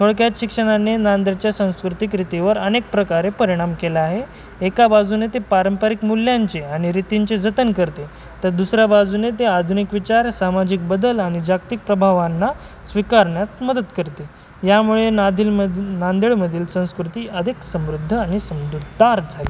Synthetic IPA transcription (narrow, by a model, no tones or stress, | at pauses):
t̪ʰoɭkjat̪ɕikʂəɽ̃anenand̪əɭt͡ɕjasə̃w̃skɾut̪ikɾit̪iʋəɾənek̚pɾəkaɾepəɾiɽ̃amkelaaɦeː | kabad͡zunet̪epaɾəmpəɾikmulːjaɲt͡seaɽ̃iɾit̪iɲt͡sed͡zət̪ənkəɾt̪e | t̪əɾd̪usɾjabad͡zunet̪̬ead̪ʱunikʋit͡ɕaɾsamad͡ʑik̚bəd̪əlaɽ̃id͡ʑak̚t̪ik̚pɾəbʱaʋanːa | sʋikaɾɳjat̪məd̪ət̪kəɾt̪e | jamuɭenad̪ʱilnand̪eɭməd̪ʱiːlsə̃w̃skɾut̪iːəd̪ʱiksəmɾud̪ʱːəaɽ̃isəmɾud̪ʱaɾd͡zʱale